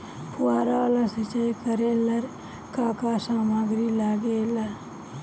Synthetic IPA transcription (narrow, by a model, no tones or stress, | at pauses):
pʊaːɾalasɪt͡ʃajkəɾeːlɐɾ | kaːkaːsaːmaɡɾilaːɡeːlɐɾ